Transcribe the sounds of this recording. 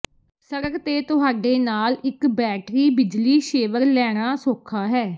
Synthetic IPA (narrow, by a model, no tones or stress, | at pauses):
səɾəkt̪eːt̪ʊɦaːɖeːnaːlɪkbɛːʈɾiːbɪd͡ʒliːʃeːʋəɾlɛːɽ̃aːsoːkʰaːɦɛː